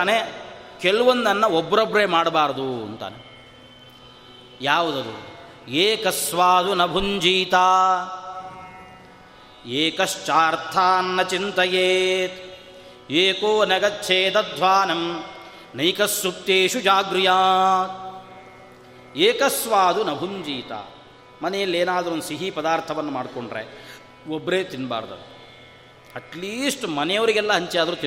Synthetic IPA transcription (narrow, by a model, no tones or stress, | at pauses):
aːnekeluʋɐnd̪ɐnːɐobːɐɾobːɾeːmaːɽbaːɾɐd̪uɐnt̪a̰ːne | jaːʋud̪ɐd̪ṵ | eːkɐsʋaːd̪unɐbʱuɲd͡ʒiːt̪aː | eːkɐst͡ʃaːɾt̪ʰaːnːɐt͡ʃint̪ɐjeːt̪ | eːkoːnɐɡɐt̪t͡ʃʰeːd̪ɐd̪ʱʋaːnɐm | nɐjkɐsːut̪ːeːʃud͡ʒaːɡɾijaː | eːkɐsʋaːd̪unɐbʱuɲd͡ʒiːt̪a̰ː | mɐnɛjɐlːeːnaːd̪ɐɾuond̪usiɦipɐd̪aːɾt̪ʰɐʋɐnːɐmaːɖkoɳɖɾḛ | obːɾeːt̪inba̰ːɾd̪ɐ̰ | ɐʈliːsʈmɐnɛjɐʋɐɾiɡɛlːɐɦɐɲt͡ʃijaːd̪ɐɾuːt̪i